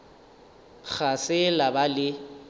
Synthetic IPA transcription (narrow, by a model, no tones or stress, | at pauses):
k͡xʰasɪlabalɪ